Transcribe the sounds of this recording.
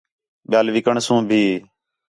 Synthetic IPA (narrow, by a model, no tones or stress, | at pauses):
ɓɪjaːlʋɪkəɳsũːbʱiː